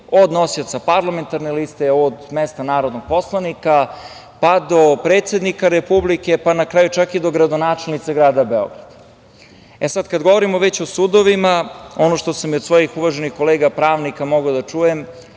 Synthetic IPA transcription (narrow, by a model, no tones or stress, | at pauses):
o̞d̪nosiot̪sapaɾlˠame̞nt̪aɾnelist̪eod̪mest̪anaːɾo̞d̪noɡ̥̚po̞slˠanika | pad̪o̞pɾeːt̪se̞d̪nikaɾepublike̞panakɾaːjut͡ʃakid̪o̞ɡɾad̪onaːt͡ʃelnit̪saɡɾaːd̪abeo̰ɡɾad̪̥a | esad̪kad̪ɡoʋo̞ɾimo̞ʋet͡ɕo̞suːd̪o̞ʋimao̞noʃt̪osamiod̪sʋojixuʋaʒenixko̞leːɡapɾaːʋnikamo̞ɡaod̪at͡ʃuːjem